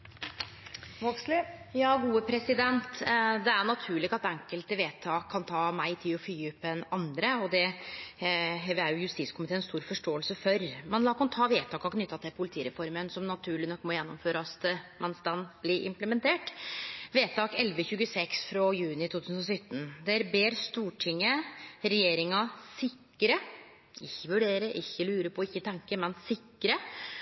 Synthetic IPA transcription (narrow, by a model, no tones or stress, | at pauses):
ʋɔkslɪjɑːɡuːəpʰɾɛsɪd̪ɛnt̪d̪ɛæɳɑt̪ʰʉːɭɪɡɑt̪ɛŋkəlt̪əʋeːt̪ʰɑːkʰːɑnt̪ʰɑːmæɪt̪ʰɪlɔfyːʉpːɛnɑnd̪ɾəɔd̪ɛ | ɦɛæɾjʊjʉst̪iːskʰʊmɪt̪eːnɛnst̪uːɾfɔʂʈoːəlsəfœɾmɛnlɑːkʊmt̪ʰɑːʋeːt̪ʰɑːkɔkʰnʏt̪ːɑt̪ʰɪlpʰʊlɪt̪ʰiːəɾɛfɔɾmənsɔmnɑt̪ʰʉːɭɪnɔkːmɔjɛnːɔmføːɾɑst̪mɛnst̪ɑnːblɪɾʔɪ̰mpləmɛnt̪ʰeːʈʋeːt̪ʰɑːkɛlʋəçʉːɡəsɛksfɾɑjʉːnɪt̪ʰuːt̪ʰʉːsn̩ɔsœt̪ːn̩d̪ɛæɾbeːɾst̪uːʈʰɪŋːəɾɛjeːɾɪŋɑsɪkː | əɾə | ɪçːəʋʉɖeːɾəʔɪçːəlʉːɾəpʰɔɪçːət̪ʰɛŋkəmɛnsɪkːɾə